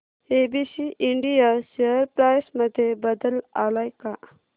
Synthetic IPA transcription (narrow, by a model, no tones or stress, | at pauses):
ebisiʔiɳɖijaɕeəɾpɾajsməd̪ʱːjebəd̪əla̰lajka